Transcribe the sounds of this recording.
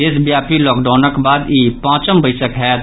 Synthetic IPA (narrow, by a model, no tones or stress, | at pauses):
esbjaːpilɔːkɖaːʊnəkbaːd̪iːpãːt͡ʃəmbəɪsəkɦɛː